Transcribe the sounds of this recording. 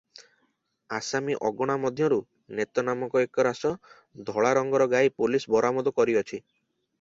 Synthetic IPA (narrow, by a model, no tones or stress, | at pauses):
asamiʔɔɡɔɽ̃amɔd̪ʱjɔɾu | net̪ɔnamɔkɔekɔɾasɔ | d̪ʱɔɭaɾɔŋɡɔɾɔɡajpulisbɔɾamɔd̪ɔkɔɾiɔt͡ʃʰi